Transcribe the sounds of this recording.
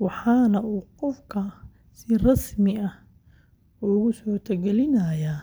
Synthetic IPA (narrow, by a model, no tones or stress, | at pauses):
wɑħɑːnɐuːqɔfkʰɐ | sɪrɑsmɪɐh | ʊɣʊsɔːt̪ʰɐɡɛlɪnɐja